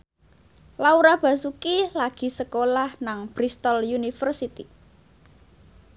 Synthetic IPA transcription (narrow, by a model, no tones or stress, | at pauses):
lauɾab̥a̤sukilaɡ̥i̤səkolahnaŋb̥ɾist̪ɔljunifərsit̪i